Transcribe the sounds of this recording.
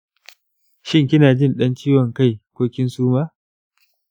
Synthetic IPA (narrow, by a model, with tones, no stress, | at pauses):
ʃɪ˦ŋkʲɪ˦naː˨d͡ʒɪ˦nɗɐ˦nt͡ʃiː˦wɔ˨ŋka˦˨jkʷoː˦kʲɪ˦nsuː˦maː˦ʔ